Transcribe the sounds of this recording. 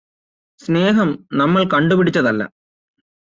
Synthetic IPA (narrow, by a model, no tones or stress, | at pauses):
sne̞ːɦɐmnɐmːɐɭkɐɳɖupiɽit͡ɕːɐðɐlːɐ̰